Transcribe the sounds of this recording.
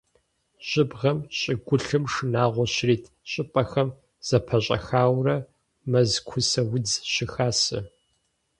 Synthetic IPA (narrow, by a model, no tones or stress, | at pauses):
ʑ̥ɪbʁɐmɕʼɪɡʷʊɬɨmʂɨnaːʁʷɔɕriːtʰɕʼɪpʼɐxɐm | z̥ɐpʰɐɕʼɐ̰xaːwrɐ | mɐzkʷʰʊsɐwʊd͡zɕɪxaːsɨ̰